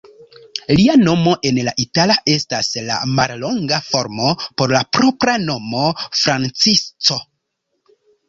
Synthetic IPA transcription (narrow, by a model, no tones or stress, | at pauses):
liano̞mo̞ʔe̞nlaʔitalaʔe̞stasla̰maɾlo̞ŋɡafo̞ɾmo̞po̞ɾlapɾo̞pɾano̞mo̞fɾant͡sist͡so̞